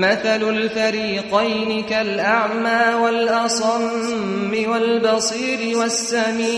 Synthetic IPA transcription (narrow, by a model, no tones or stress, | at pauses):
maθalʊlfaɾiːqajnɪkalʔaʕmaːwalʔɑsˤɑmː | ɪwalbɑsˤiːɾɪwasːamiː